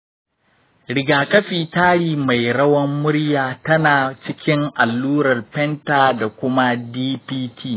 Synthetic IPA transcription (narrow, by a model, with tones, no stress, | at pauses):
ɽɪ˨ɡaː˨kɐ˦ɸiː˨taː˦ɽiː˨ma˨jɽɐ˦wɐ˦mːʊ˦ɽjaː˨tɐ˦naː˨t͡ʃɪ˦kʲɪ˦ŋʔa˨lːuː˦ɾɐ˨rpɛ˦ntaː˨da˨kʷʊ˦ma˦diː˦piː˦tʰiː˦˨